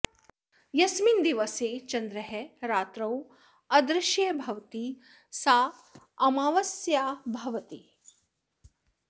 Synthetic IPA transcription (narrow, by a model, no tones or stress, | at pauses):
jɐsmind̪iʋɐseːt͡ʃɐnd̪ɾɐɦeɾaːt̪ɾɐw | ɐd̪ɾɪʃjɐbʱɐʋt̪i | saː | ɐmaːʋɐsjaːbʱɐʋɐt̪i